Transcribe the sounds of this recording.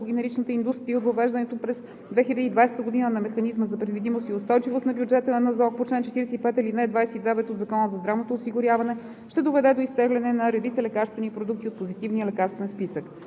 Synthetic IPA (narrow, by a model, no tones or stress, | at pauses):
ɡʲɛnɛɾit͡ʃnət̪əind̪ust̪ɾiəot̪vɐvɛʒd̪ənɛt̪opɾɛz | d̪vɛxilʲəd̪iːd̪vajsɛ̥t̪əɡod̪inənɐmɛxɐnizməzɐpɾɛd̪vid̪imost̪iʊst̪ɔjt͡ʃivost̪nɐbjud͡ʒɛt̪ənɐzɔk̚pot͡ʃlɛnt͡ʃɛt̪iɾɛsɛipɛt̪ɛlinɛd̪vajsɛid̪ɛvɛt̪ot̪zɐkɔnəzɐzd̪ɾavnot̪oːsiɡʊɾʲjavɐnɛ | ʃt̪ɛd̪ovɛd̪ɛd̪oist̪ɛɡlɛnɛnɐɾɛd̪it̪səlɛkaɾst̪vɛnipɾod̪uk̚t̪iot̪̚pozit̪ivniəlɛkaɾst̪vɛnspisək